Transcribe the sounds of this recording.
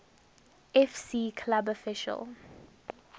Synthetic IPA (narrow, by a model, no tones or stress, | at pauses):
ɛfsikʰlabɔfɪʃə̰l